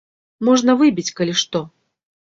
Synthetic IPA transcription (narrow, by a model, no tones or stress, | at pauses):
mɔʐnɐvɨbʲit͡sʲkɐlʲiʂt̪ɔ